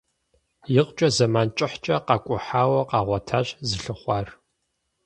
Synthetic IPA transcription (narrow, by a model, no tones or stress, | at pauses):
jɪqt͡ʃʼɐzɐmaːnt͡ʃʼɪħt͡ʃʼɐqɑːkʷʼʊħaːwɐqɑːʁʷɐtʰaːɕzɨɬɨχʷɑːr